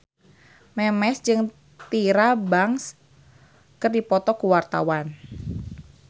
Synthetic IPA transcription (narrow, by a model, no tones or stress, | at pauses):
mɛmɛsd͡ʒɨŋ | t̪iɾabaŋs | kɨrdipɔt̪ɔkuwart̪a̰wan